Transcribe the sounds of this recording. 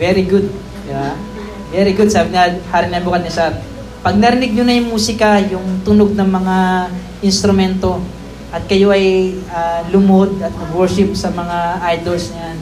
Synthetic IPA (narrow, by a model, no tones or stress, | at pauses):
vɛɾɪɡʊd̪̚ | d̪ɪba | vɛɾɪɡʊd̪̚saːbɪnahaɾɪŋnabuːkɐd̪nɪsat̪̚ | pɐɡ̚nɐɾɪnɪɡ̚ɲʊnɐjʊŋmuːsɪkajʊŋt̪ʊnoɡ̚nɐŋmɐŋa | ʔɪnst̪ɾʊmɛnt̪o̞ | ʔɐt̪̚kɐjo̞ʔɐjaːlʊmod̪ɐt̪̚mɐɡwɛɹʃɪp̚sɐmɐŋaʔajd̪olsɲɐjan